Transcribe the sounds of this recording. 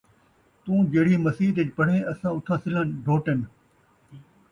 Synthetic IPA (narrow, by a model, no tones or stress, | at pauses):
t̪ũːd͡ʑeːɽ̤iːmɐsiːt̪ed͡ʑpɐɽ̤ẽːɐsãʊt̪ʰãːsɪlənɖʱoːʈənɪ̆